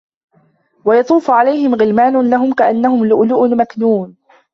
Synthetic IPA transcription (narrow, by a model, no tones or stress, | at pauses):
wɑjɑt̪ˤuːfʊʕalajhɪmɣɪlmaːnʊlaɦʊmkaʔanːahʊmlɪʔʊlʊʔmaknuːn